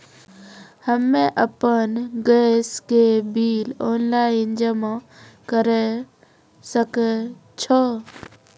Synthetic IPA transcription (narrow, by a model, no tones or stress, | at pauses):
həmːẽʔəpənɡeskebiːlonlaind͡ʒəmɔkəɾe | sək | t͡ʃʰɔ